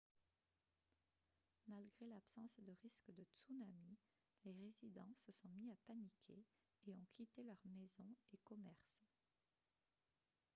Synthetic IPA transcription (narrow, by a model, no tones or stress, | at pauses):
malɡʁelapsɑ̃sd̪əʁiskd̪ət̪sunami | leʁezid̪ɑ̃səsɔ̃miapanikʲʰe | eɔ̃kʰʲit̪elœʁmezɔ̃ekɔmɛʁs